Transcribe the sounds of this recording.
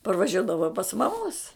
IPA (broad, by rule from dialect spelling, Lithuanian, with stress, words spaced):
pɐrʋɐˈʒʲuɔdɐʋɐʊ pɐs mɐˈmoːs